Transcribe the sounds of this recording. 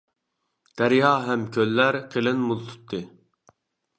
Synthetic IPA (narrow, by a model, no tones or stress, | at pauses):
d̪̥æɾjɑːɦɛmkʲʰølːæɾqʰelɪnmulˠt̪ʰu̥t̪ʰːɨ